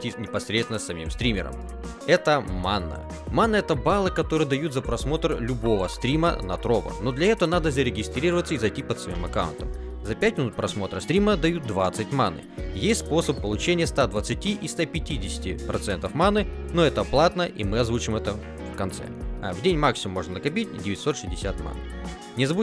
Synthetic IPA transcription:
tʲinʲɪpɐsɾʲet̪vɪnəsːɐmʲḭmst̪ɾʲimʲɪ̰ɾə̰m | ɛt̪əmanːə̰ | manːəɛt̪əbalˠɨkɐt̪o̞ɾɨjəd̪ɐjut̪zəpɾɐsmo̞t̪rlʲʊbo̞vəst̪ɾʲimə̰nɐ̰t̪ɾo̞bə̰no̞d̪lʲɐɛt̪əvənad̪əzəɾʲɪɡʲɪst̪ɾʲiɾəvət̪sːəizɐjtʲipət̪svɐmʲimɐkaʊ̰nt̪əm | zɐpʲætʲmʲɪnut̪̚pɾɐsmo̞t̪ɾəst̪ɾʲiməd̪ɐjut̪̚d̪vat̪sɨtʲmanɨ̰jesʲt̪ʲspo̞səpːəlˠʊt͡ɕenʲɪjəst̪ad̪vət̪sɨtʲiʔist̪apʲɪtʲidʲɪsʲɪ̥tʲɪ̰pɾʔɐt̪sɛnt̪əfmanːɨno̞ɛt̪əɐplˠat̪nəʔḭmɨɐzvut͡ɕɪmɛt̪ə | fkɐnt̪sɛ̰a̰vdʲenʲmaksʲɪmumːo̞ʐnənəkɐpʲit̚ʲdʲɪvʲɪtʲso̞t̪ʂɨzʲdʲɪsʲat̪ma̰nːɨ | nʲɪzvu

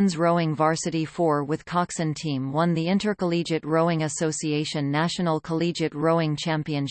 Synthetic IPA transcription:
nzɹoʊɪ̃ŋvɑɹsɨɾifɔɹwɨð̥kʰɑksɨ̃ntʰĩmwʌ̃nðiɪ̃ntə˞kəlid͡ʒɨ̃ʔ̚ɹoʊɪ̃ŋɨsoʊsieɪʃɨ̃nːæʃnl̩ˠkʰəlid͡ʒɨ̃t̚ɹoʊɪ̃ŋt͡ʃʰæ̃mpiɨ̃n

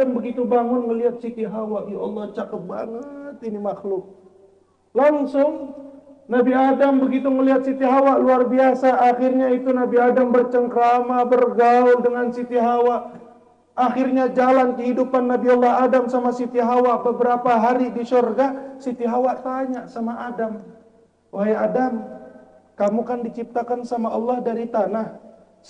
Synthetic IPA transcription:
ambəɡit̪ubaŋʊnŋəliat̪̚sit̪iɦawaʔjaɔlˠːɔht͡ʃakət̪̚ba̰ŋət̪inimaxlʊk̚ | laŋsʊŋ | nabiadambəɡit̪uŋəliɦat̪̚sit̪iɦawaʔluarbiasaʔːxɪrɲait̪unabiadambərt͡ʃəŋkəɾamabərɡaʊndəŋansit̪iɦawaʔː | xɪrɲad͡ʒalankəɦidupanːabiɑlːaɦadamsamasit̪iɦawaʔbəbəɾapaɦaɾidisurɡasit̪iɦawaʔt̪aɲaʔsamaʔadam | waɦajadam | kamukandit͡ʃip̚t̪akansamaɑlːahdaɾit̪anah

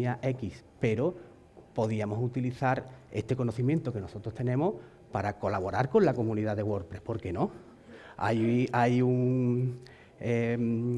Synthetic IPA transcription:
aʔe̞kispe̞ɾo | po̞ðiamo̞sut̪iliθaɾe̞̰st̪e̞ko̞noθimjẽ̞nt̪o̞ke̞no̞so̞t̪ɾo̞st̪e̞nẽ̞moh | paɾako̞laβo̞ɾaɾkõ̞nlako̞mũniðaðe̞ɣwo̞ɾpɾe̞hpo̞ɾke̞nõ̞ | a̰jajuŋ | e

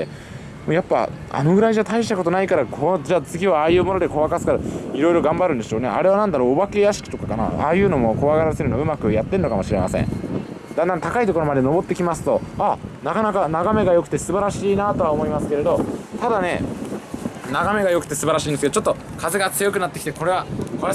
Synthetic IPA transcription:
e | moːjapːa̰a̰no̞ɡɯ̟ɾaiʑat̪ʰaiɕ̬i̥t̪ako̞t̪o̞naikaɾakʰod͡ʑaːt͡sɨɡʲiβaːjɯ̟ːmo̞no̞d̪e̞ko̞βakasɨ̥kaɾaiɾo̞iɾo̞ɡãmbaɾɯ̟nd̪e̞ɕoːne̞̰a̰ɾe̞β̞anãnd̪aɾo̞ːbake̞jaɕi̥kʲi̥t̪o̞kakana̰a̰ːjɯ̟ːno̞mo̞ko̞βaɡaɾaseɾɯ̟noɯ̟makɯ̟jat̪ːe̞nno̞kamo̞ɕiɾe̞ma̰sḛ̃ɴ | d̪ãnd̪ant̪akait̪o̞koɾo̞mad̪e̞no̞bo̞t̪ːe̞kʲimasɨ̥t̪o̞anakanakanaɡame̞ɡajo̞kɯ̟̥t̪e̞sɨbaɾaɕiːnat̪o̞βaomo̞imasɨ̥ke̞ɾe̞d̪ot̪ad̪ane̞ | naɡame̞ɡajo̞kɯ̟̥t̪esɨbaɾaɕiːneskeot͡ɕot̪ːo̞ | kʰaze̞ɡat͡sɨjo̞kɯ̟nat̪ːekʲi̥t̪eko̞ɾe̞βako

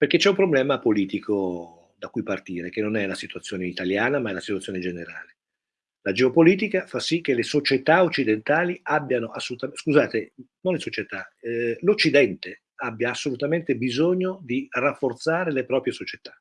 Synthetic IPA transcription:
perk̟et͡ʃɛũmpɾoblɛːmapoliːt̪iko | d̪akːujpart̪iːɾek̟enːonɛlasit̪uat̪sːjoːneit̪aljaːnamaɛlasit̪wat̪sjoːned͡ʒeneɾa̰ːle | lad͡ʒeopoliːt̪ikafasːik̟ːelesot͡ʃet̪aot͡ʃːid̪ent̪aːliabːjanoʔasːolut̪askuzaːt̪enonlesot͡ʃet̪alot͡ʃːid̪ɛnt̪e | abːjaːsːolut̪ament̪ebizoɲːod̪irafːort̪saːɾelepɾɔːpɾjesot͡ʃet̪ḁ

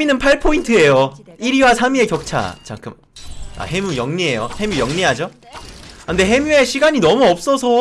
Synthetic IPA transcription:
inɯnpʰaɭpʰointʰɯe̞joiɾiwasʰamie̞kjʌk̚t͡ɕʰa̰t͡ɕʰaŋk͈ʰɯm | a̰he̞mujʌŋɲiejohe̞mjujʌŋɲiɦad͡ʑo | ande̞ɦe̞mue̞ɕʰiɡaɲinʌmuʌp̚s͈ʌsʰʌ

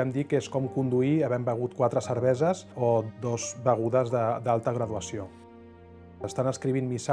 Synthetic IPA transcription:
ɛmd̪ikeskɔmkund̪uiəβɛmbəɣ̞ut̪̚kwat̪ɾəsəɾβɛzəzod̪ɔzbəɣ̞uðəzðəd̪alˠt̪əɣɾəðuəsio | əst̪anəskɾiβ̞inmisa

